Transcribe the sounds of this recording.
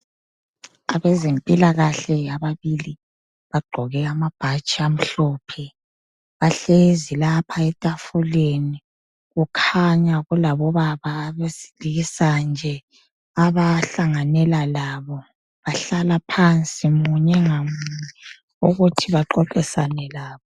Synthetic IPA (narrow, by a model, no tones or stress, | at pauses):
aβɛzempʼilaɣaɬɛaβaβili | βaɡ͡ǃʱɔɣɛamab̥ʱat͡ʃʼiam̩ɬɔːpʰɛ | βaɬezilapʰaɛtʼafuleni | ɣukʰaɲaɣulaβɔβaβaːβezi̥liisand͡ʒʱɛ | aβaɬaŋanɛlalaβɔ | βaɬalapʰant͡sʼimuɲɛŋamuɲɛ | uɣutʰiβaǃɔǃɛsanɛlaːβɔ